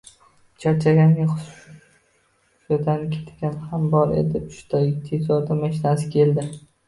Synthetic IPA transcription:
t͡ʃʰat͡ʃʰaɡʲanʲaʊ | ʃad̪ankʲʰe̥t̪ɡʲanhambɒɾe̞̰d̪ɪpʃʊ̥t̪ʰɒjt̪ʰezɒɾd̪amaʃɪnasɪ̥kʲʰe̞ld̪ɪ

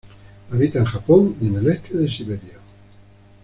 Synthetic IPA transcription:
aβit̪aeŋʒapoŋienelest̪ʰeðesiβeɾja

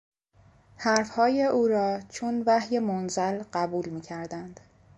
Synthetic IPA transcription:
hæɾfhɒːjeʔuːɾɒːt͡ʃʰonvæhje̞monzælɢæbuːlmiːcʰæɾd̪ænd̪̥

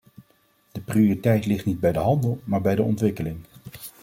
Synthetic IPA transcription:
d̥əprioritɛjtlɪχtnid̚bɛjdəɦɑndəlˠmaːɹbɛjdəɔntʋɪkəlɪŋ

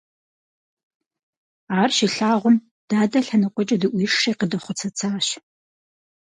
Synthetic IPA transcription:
aːrʃiɬaːʁʷʊm | d̥aːdɐɬɐnɐqʷʼɔt͡ʃʼɐdɨʔʷiʂeːqədɐχʷʊt͡sʰɐt͡sʰaːɕ

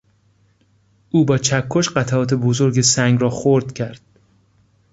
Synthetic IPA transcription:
ʔuːbɒːt͡ʃʰækʰːoʃɢæt̪ʰæʔɒːt̪ʰe̞bozoɾɡesæŋɡrɒːxoɾd̪̥cʰæɾd̪̥̚

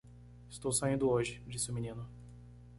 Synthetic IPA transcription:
ɪst̪owsaĩnd̪ʊoʒɪd͡ʒisɪʊminĩnʊ

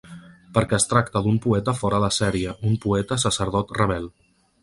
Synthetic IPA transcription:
pəɾkɛəst̪ɾak̚t̪əd̪umpuɛt̪əfɔɾəðəsɛɾiəʔumpuɛt̪əsəsəɾð̞ɔt̪rəβɛlˠ

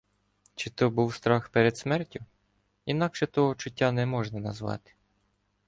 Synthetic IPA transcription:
t͡ʃɪt̪ɔbuwst̪ɾɑxpeɾed̪smɛrtʲʊ | inɑkʃɛt̪ɔɦɔt͡ʃʊtʲːanɛmɔʒnɐnɐzʋɑ̰t̪ɪ̥

